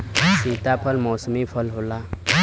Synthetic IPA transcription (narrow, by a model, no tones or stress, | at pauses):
siːt̪apʰəlmɔːsmipʰəlɦola